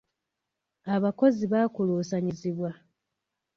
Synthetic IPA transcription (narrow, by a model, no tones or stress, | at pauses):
aβako̞ziβaːkuluːsaɲiziβwa